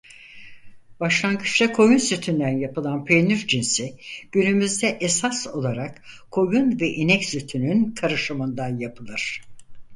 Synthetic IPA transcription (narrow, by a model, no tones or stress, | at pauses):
b̥aʃlˠaŋɡɯt͡ʃlakʰo̞junsyt̪ʰynd̪ænjapɯlˠanpʰenyɾd͡ʒinsiɟ̥ynymyzd̪ɛʔesaso̞lˠaɾakkʰːo̞junvɛʔinɛcsyt̪ʰynynkʰaɾɯʃɯmɯnd̪anjapʰɯlˠɯɾ̥